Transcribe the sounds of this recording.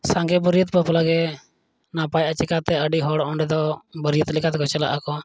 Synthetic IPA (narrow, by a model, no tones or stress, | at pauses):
saŋɡɛbəɾijət̪pəplaɡɛ | napajat͡ʃikat̪ɛəɖiɦɔɽɔɔɳɖɛd̪ɔbəɾijət̪likat̪kɔt͡ʃɛla̰ʔakɔ